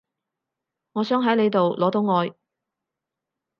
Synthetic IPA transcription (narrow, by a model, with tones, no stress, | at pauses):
ŋɔː˨˧sœː˨˥ŋɦɐ˨˥jle˨˧jt̪o˨wlɔː˨˥t̪o˨˥wŋɔː˨˧j